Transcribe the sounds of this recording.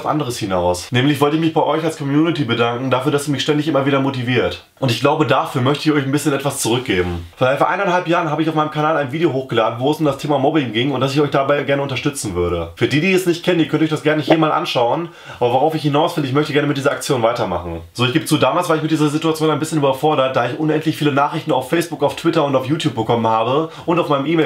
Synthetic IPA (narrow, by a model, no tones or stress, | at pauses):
fʔa̰ndəʁəshɪnaʊsnɛːmlɪçv̥ɔltəɪçmɪçb̥aɪʔɔʏçalskʰɔmjuːnɪtibədaŋkŋ̩dafyːɐdasdiːmɪçʃtɛndɪçʔɪmɐviːdɐmotiviːɐt | ʔʊntɪçɡ̥laʊbədafyːɐmœçtəɪçɔʏçanbɪsçənʔɛtv̥ast͡suʁʏk̚ɡ̥eːbm̩fɔɐɛfɔɐʔaɪnanhɦalpjaːʁənhaːbəɪçaʊfmaɪnəmkʰanaːlaɪnviːdeoɦoːxɡ̥əlaːdn̩voɛsʊmdastʰeːmamɔbɪŋɡɪŋʊntd̥asɪçɔʏçd̥abaɪɡɛɐnəʊntɐʃtʏt͡sn̩vʏɐɾəfyːɐdiːdiːɛsnɪçt̚kʰɛnəndiːkœntɔʏçd̥asɡ̥ɛɐnəɪçhiːəmaːlʔa̰nʃaʊən | ʔaːbɐvoʁaʊfɪçhɪnaʊsfɪndəɪçmœçtəɡɛɐnəmɪt̚diːzɐak̚t͡sjoːnvaɪtɐma̰χn̩z̥oːɪçɡ̥eːbət͡suːdaːmaːlsv̥aːɐɪçmɪt̚d̥iːzɐzituat͡sjoːnaɪnbɪsçənyːbɐfɔɐɾɐt̚d̥aːɪçʔʊnʔɛntlɪçfiːlənaːχʁ̥ɪçtn̩a̰ʊfːɛɪsb̥ʊkaʊftʰvw̥ɪtɐʊntaʊfjuːtʰjuːp̚bəkʰɔmənhaːbəʔʊntaʊfmaɪnəmʔiːmɛ